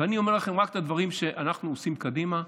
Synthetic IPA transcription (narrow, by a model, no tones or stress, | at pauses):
veanio̞melaχe̞mʁakt̪ad̪vaʁimʃe̞ʔʔanaχnuosimkadima